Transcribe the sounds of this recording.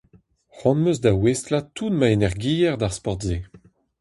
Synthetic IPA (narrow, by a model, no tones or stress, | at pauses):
χɔ̃nmøzd̪awestlatunmaenɛʁɡiːjɛʁd̪aʁspɔʁtze